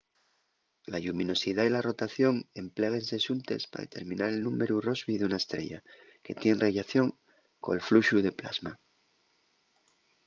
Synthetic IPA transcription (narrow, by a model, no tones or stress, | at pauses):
laʎumĩno̞siðailaro̞t̪aθjo̞ŋe̞mpleɣ̞e̞nse̞ʃunt̪e̞spa̰ðḛt̪e̞ɾmĩnaɾe̞lnũme̞ɾuro̞zβiðunaest̪ɾe̞̰ʝa̰ | ke̞t̪je̞nreʝaθjo̞ŋ | ko̞̰elfluʃuðe̞pla̰zma